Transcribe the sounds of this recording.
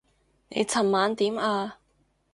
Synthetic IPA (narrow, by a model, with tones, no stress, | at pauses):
nḛ˨˧jt͡sʰɐ˨˩mːaː˨˧nt̪iː˨˥maː˧